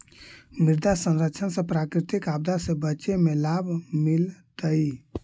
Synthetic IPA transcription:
miɾd̪asə̃nɾəkːt͡ʃʰənsə̃pɾakɾit̪ikabd̪asẽbəːʃemelabʱmilt̪əi

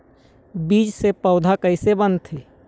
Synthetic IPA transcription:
biːd͡ʒsepəʊd̪ʱakəɪsebənt̪ʰeː

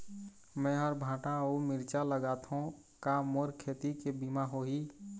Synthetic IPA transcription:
mɛ̃ɦɔɾbʱãːʈãomɪɾt͡ʃaləɡaːt̪õ | kamoːɾkʰeːt̪ikebimaɦoːɦiː

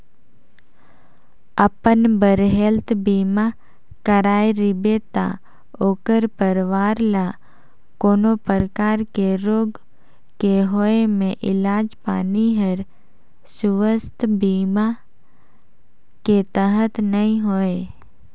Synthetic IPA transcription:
əpənbəɾɦelt̪biːma | kəɾaːeɾɪbet̪a̰ | oːkəɾpəɾʋaːɾla | koːnopəɾəkaːɾkeɾoːɡ | keɦoːemẽʔɪlaːd͡ʒpa̰ːniɦəɾ | sʊʋəst̪biːma | ket̪əɦət̪nəɦĩɦoːe

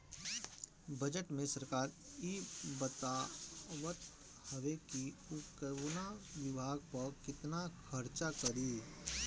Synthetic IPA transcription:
bɐd͡ʒəʈmẽsɐɾkaːɾibət̪aʋət̪ | həʋekiʊkəunaʋɪbʱaːɡ̚pəɾkɪt̪nakʰɐɾt͡ʃakəɾiː

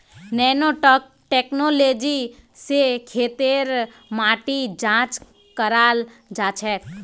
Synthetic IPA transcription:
nɛːnoʈːk | ʈeknoleːd͡ʒisekʰeːt̪eɾ | maːʈid͡ʒãːt͡ʃ | kəɾaːl | d͡ʒaːt͡ʃʰɛː

